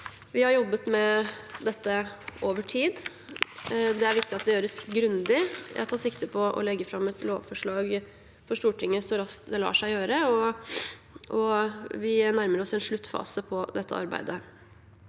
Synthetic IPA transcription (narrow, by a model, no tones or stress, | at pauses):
ʋɪhɑɾjɔbːət̪mɛd̪ɛt̪ːəʔoːʋəʈʰiːd̪ | d̪ɛæɾʋɪk̚t̪ɪɑt̪̚d̪ɛjøːɾəsɡɾʉnd̪ɪjæ̰t̪ʰɑːsɪkt̪əpʰɔʔɔ̰lɛɡːəfɾɑmːɛt̪lo̰ːʋfɔʂɭɑːɡ | fɔʂt̪uːʈɪŋːəsɔɾɑst̪̚d̪ɛlɑ̰ːʂæɪjøːɾəɔ | ʔɔʋɪnæɾməɾɔsɛnʂɭʉt̪ːfɑ̰ːsəpʰɔd̪ɛt̪ʰːə̰ɑ̰ɾbæ̰ɪd̪ə